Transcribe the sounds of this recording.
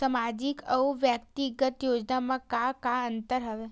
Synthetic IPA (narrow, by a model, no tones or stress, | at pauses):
samad͡ʒikəwʋjəkt̪iɡət̪jod͡ʒnamãkakaənt̪əɾɦɐʋe